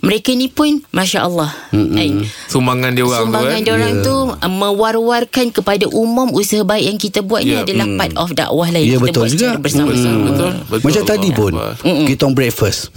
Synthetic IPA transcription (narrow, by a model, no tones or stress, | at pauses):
məɾekanĩpʊnmãʃaʔəlːɑhaisumbaŋandioasumbaŋandioɾaŋt̪umə̃warwarkankəpadaʔumʊ̃musəɦabaikjaŋkit̪abuwat̪̚ɲaadalahpat̪̚ɔfda̰ʔwaɦlainiabət̪ət̪ʊld͡ʒuɡabərsaməsamamat͡ʃat̪adipʊn̩m̩ɡit̪ɔŋbɾɛk̚fəs